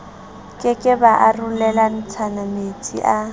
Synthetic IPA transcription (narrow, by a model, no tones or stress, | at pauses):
kʼɪkʼɪbaʔarulɛlan̩t͡sʰanamet͡sʼḭʔa